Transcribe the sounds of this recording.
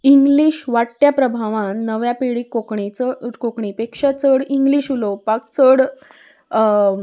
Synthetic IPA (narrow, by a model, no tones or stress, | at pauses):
iŋɡliːɕʋaʈːjapɾəbʱaʋãnːəʋjapiɭiːkokɳit͡səkokɳipekʂat͡səɽiŋɡliːɕulopakt͡səɽ